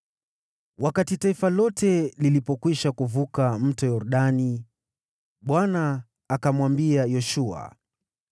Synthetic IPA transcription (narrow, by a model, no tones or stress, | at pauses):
wakatitaifalɔtɛlilipɔkwiʃakuvukam̩tɔjɔɾɗani | ɓwanaː | kamwambiajɔʃua̰